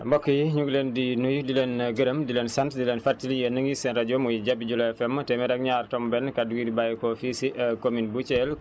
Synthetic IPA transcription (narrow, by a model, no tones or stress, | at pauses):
mbɔkːəjiɲuɡlendinujudilenɡəɾəmdilɛnsantdilɛnfartiljənəŋɡisɛnɾaɟɔmujɟabiɟulɛfɛmːtɛmɛɾɛk̚ɲaːrtɔmbɛnkaduɡidibajkɔfisiʔɐkominbut͡ʃɛl